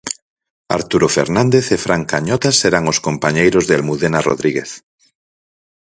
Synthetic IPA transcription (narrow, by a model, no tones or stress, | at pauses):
a̰ɾt̪uɾofḛɾnãnd̪eθefɾaŋkaɲɔt̪aseɾaŋoskompaɲejɾozðelmuðenaro̰ðɾiɣeθ